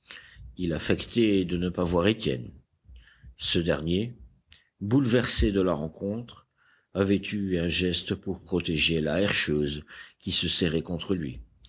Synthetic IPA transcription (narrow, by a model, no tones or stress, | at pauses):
ilafɛkt̪ed̪ənəpavwaʁet̪jɛ̰n | səd̪ɛ̰ʁnje | bulvɛʁsed̪əlaʁɑ̃kɔ̃t̪χ | avɛt̪yɛ̃ʒɛst̪puʁpχɔt̪eʒela̰ɛʁʃøːzkʲisəsɛʁɛkɔ̃t̪χəlɥḭ